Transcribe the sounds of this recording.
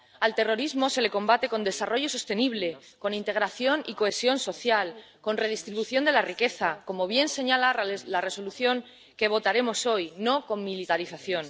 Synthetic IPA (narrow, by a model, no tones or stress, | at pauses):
alt̪e̞ro̞ɾizmo̞se̞le̞ko̞mbat̪e̞ko̞nd̪e̞saro̞ʝo̞so̞st̪e̞niβ̞le̞ | ko̞nint̪e̞ɣ̞ɾaθjo̞niko̞e̞sjo̞nso̞θjal | ko̞nre̞ðist̪ɾiβuθjo̞nd̪e̞larike̞θako̞mo̞β̞je̞nse̞ɲalalare̞so̞luθjo̞ŋ | ke̞β̞o̞t̪aɾe̞mo̞so̞jno̞ko̞ŋmilit̪aɾiθaθjo̞n